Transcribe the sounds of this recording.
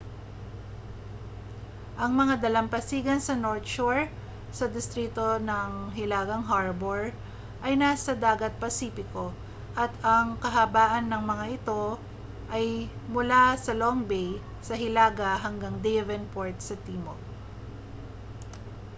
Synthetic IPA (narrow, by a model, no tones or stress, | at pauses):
ʔɐŋmɐŋad̪ɐlɐmpɐsiːɡɐnsɐnoɹt̪ʃuɹ | sɐd̪ɪst̪ɾiːt̪o̞nɐŋɦɪlaːɡɐŋɦaɹboɹ | ʔɐjnasɐd̪aːɡɐt̪̚pɐsiːpɪko̞ | ʔɐt̪ɐŋkɐɦɐbaːʔɐnːɐŋmɐŋaʔɪt̪o̞ | ʔɐjmʊlasɐloŋbej | sɐɦɪlaːɡɐɦɐŋɡaŋd̪ejvɛnpoɹt̪̚sɐt̪iːmo